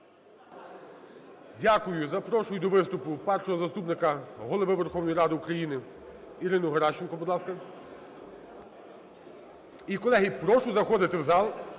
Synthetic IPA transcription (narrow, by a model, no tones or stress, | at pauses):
dʲakʊjʊzɐpɾɔʃʊjʊd̪ɔʋɪst̪ʊpʊpɛrʃɔɦɔzɐst̪upnɪkɐɦɔlˠɔʋɪʋerxɔwnɔjiɾɑd̪ɪukɾɐjinɪ | iɾɪnʊɦɐɾɑʃt͡ʃɪnkɔbʊd̪lˠɑskɐ | ikɔlˠɛɦipɾɔʃʊzɐxɔd̪ɪt̪ɪwzɑlˠ